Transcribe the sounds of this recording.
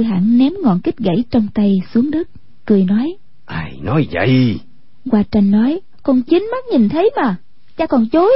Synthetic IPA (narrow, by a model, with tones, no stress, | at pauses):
jɦa̰ː˧˨nnɛ˨˦mŋɔ̰˧˨nkï˦˥k̟̚ɣə̰˧˩jt͡ɕɔ˧wŋ͡mt̪a˧jsu˨˦əŋɗɨ˦˥k̚ | kɨ˨˩əjnɔ˨˦j | ʔaː˧˩jnɔ˨˦jvə̰˧˨j | ɣwaː˧t͡ɕa˧jŋ̟ːɔ˨˦j | kɔ˨˩nt͡ɕi˨˦ŋma˦˥k̚ɲi˨˩nt̪ʰə˨˦jmaː˨˩ | t͡ɕa̰ː˧˥kɔ˨˩nt͡ɕo˨˦